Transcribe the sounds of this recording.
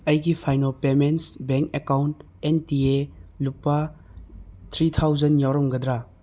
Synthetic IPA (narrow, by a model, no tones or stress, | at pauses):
ɐjɡipʰajnopemensbeŋkekawnt | entielupːa | t̪ʰɾit̪ʰawzɐnjawɾɔmɡɐd̪ɾa